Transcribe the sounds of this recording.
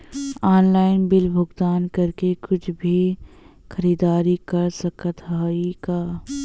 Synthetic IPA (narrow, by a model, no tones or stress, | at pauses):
aːnlaːɪnbɪlbʱʊɡd̪aːnkɐɾkekʊt͡ʃʰbʱi | xɐɾiːd̪aːɾikɐɾsɐkət̪ɦaːikaː